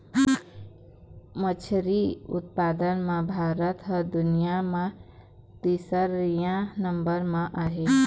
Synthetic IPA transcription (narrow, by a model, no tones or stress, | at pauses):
mət͡ʃʰɾiʊ̰t̪̚paːd̪ənmãbʱaːɾət̪ɦəd̪ʊnijamã | t̪iːsəɾːijãnəmbəɾmãʔaːɦe